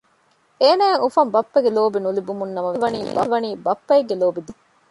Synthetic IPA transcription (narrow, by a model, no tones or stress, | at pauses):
eːnæːŋufɐmbɐpːɐɡeloːbinulibumunːɐmɐʋeʋɐniːbɐʋɐniːbɐpːɐeɡːeloːbid̪u